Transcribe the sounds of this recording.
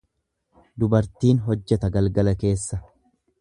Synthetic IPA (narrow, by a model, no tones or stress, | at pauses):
d̪ʊbɐɾt̪iːnɦɔd͡ʒːɛt̪ɐɡɐlɡɐlɐke̞ːsːɐ